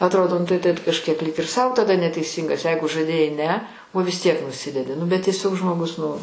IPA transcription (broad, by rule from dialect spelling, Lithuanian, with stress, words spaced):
ɐtˈroːdoː nʊ tɐɪ tʲɛt kɐʃʲˈkʲiɛk lʲiːk ɪr sɐʊ tɐˈdɐ nʲɛtʲɛɪˈsʲiːŋɡɐs ˈjɛɪɡʊ ʒɐˈdʲeːjɛɪ ˈnʲɛ oː ʋʲɪs tʲiɛk nʊˈsʲɪdʲɛdʲɪ nʊ bʲɛt tʲiɛˈsʲoːk ʒmoːˈɡʊs nʊ